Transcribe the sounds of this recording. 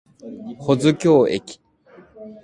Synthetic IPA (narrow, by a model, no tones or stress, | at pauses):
hʰod͡zɨkʲoːekʲi̥